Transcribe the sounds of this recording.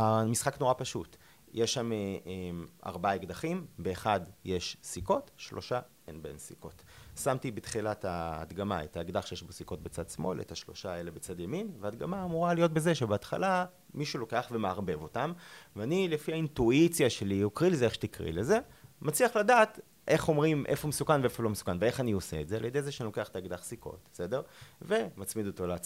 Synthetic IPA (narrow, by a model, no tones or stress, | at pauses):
amisχakno̞ʁapaʃut | jʔeʃːameʔema̰ʁbaaeɡd̪aχimbe̞ːχadjeʃsiko̞tʃlo̞ʃa | enbe̞̰nsiko̞̰tsamtibet̪χilataːdɡama̰etaːɡdaχʃejeʃbosiko̞t̚bet͡sadsmo̞̰lʔḛtaʃlo̞̰ʃaelebet͡sadjaminvead̪ɡamaːmuʁalijo̞t̬̚bezeʃebeatχa̰la | miʃulo̞ke̞aχve̞meaʁbe̞vo̞tamveanilefihaintuit͡sjaʃe̞liokʁilezeeχʃet̪ikʁḭleze̞mat͡sliaχladaːt | ʔe̞χo̞mʁimʔefoumesukanveefolo̞mesu̥kanvee̞χanioseːtzealjedejzeʃeanilo̞ke̞aχet̪aːɡdaχsiko̞̰t̚be̥sede̞ʁve̞mat͡smid̪oto̞leːt͡s